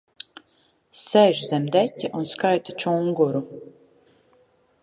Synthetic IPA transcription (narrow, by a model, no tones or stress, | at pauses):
sɛʒzæmd̪ætʲːiʔunskajt̪at͡ʃuŋɡɔɾu